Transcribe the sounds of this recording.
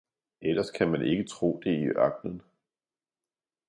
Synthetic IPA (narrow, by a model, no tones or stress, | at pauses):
elɐskʰæmænʔe̝ɡ̥ət͡sʰʁo̝̰ːd̥e̝iʔɑɡ̥̚nən